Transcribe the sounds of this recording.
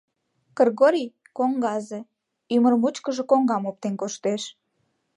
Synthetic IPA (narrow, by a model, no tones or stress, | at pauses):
kərɡoɾʲij | koŋɡɑze | ymərmut͡ɕkəʒĕkoŋɡɑmop̚t̪enkoʃt̪eʃ